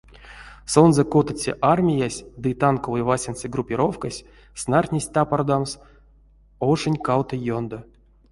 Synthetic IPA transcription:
sonzəkot̪ət͡sʲḛʔarmʲijasʲd̪ɨt̪ankovɨjvasʲint͡ssɨɡrupʲiɾo̞fkasʲ | snarʲt̪ʲnʲesʲt̪apard̪ams | oʂɨnʲkawt̪əjond̪o

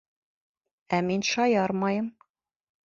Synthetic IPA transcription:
æminʃɒjɑɾmɑjɤm

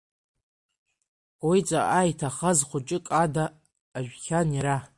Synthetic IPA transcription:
wit͡sʼaʔajitʰaχazχʷʊt͡ʃʼɪkʼadaː | ʒᶣkʲaniɾa

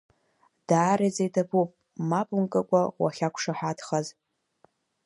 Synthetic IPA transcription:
d̥aːɾid͡zajdʰabupʼ | mapʼuŋkʼakʷʼawa̰χʲakʷʰʂaħʷadχaz

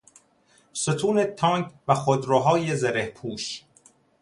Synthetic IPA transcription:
sot̪ʰuːnet̪ʰɒːŋkvæxod̪ɾoɦɒːjezeɾehpʰuːʃ

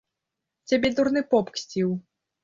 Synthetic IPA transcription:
t͡sʲabʲɛd̪uɾnɨpɔpksʲt͡sʲiw

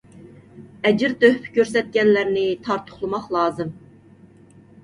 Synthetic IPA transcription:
ɛd͡ʒɪɾt̪øhpʰkʲʰøɾsɛt̪̚kʲɛnlæɾnɪt̪ʰɑɾt̪ʰʊ̥χlˠɨmɑqlˠɑːzɨm

